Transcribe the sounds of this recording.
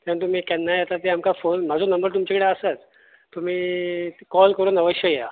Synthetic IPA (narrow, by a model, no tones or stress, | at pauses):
t̪ant̪um̤iːkɛnːajat̪at̪eamkafonm̤ad͡zʱonəmbəɾt̪umt͡ɕakəɽeəsat̪ː | um̤iːkɔlkəɾuːnəʋəɕjəjeja